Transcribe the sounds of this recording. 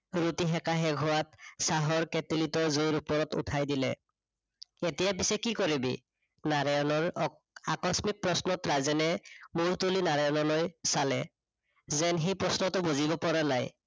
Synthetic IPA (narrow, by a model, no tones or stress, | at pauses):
ɹutiɦɛkaɦɛɡʱɔwatsaɦɔɹkɛtilitɔzoiɹupɔɹɔtṵtʰajdilɛ̰ | etijapisɛkikoɹibḭ | naɹajɔnɔɹ | a̰kɔsmik̚pɹɔsnɔtɹazɛnɛmʊɹtulinaɹajɔnɔlɔjsalɛ | zɛnxejpɹɔsnɔtʊbuzibɔpɔɹanaj